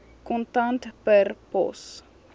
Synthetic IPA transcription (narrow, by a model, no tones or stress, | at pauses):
kõnt̪ãnt̪pəɾpo̰s